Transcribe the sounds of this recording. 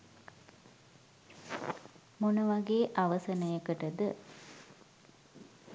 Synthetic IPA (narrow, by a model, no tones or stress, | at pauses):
munuʋaɡeːʔaʋəsɐnəjəkəʈəd̪ə